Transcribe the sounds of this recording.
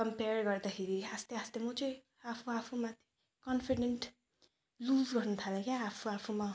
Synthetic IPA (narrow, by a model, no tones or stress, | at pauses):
kʌmperɡʌrd̪akʰeɾiast̪eʌst̪emʌt͡sʌĩ | apʰuapʰumat̪ʰ | kʌnpʰiɖeɳʈ | luzɡʌrnut̪ʰalakjaːpʰuapʰuma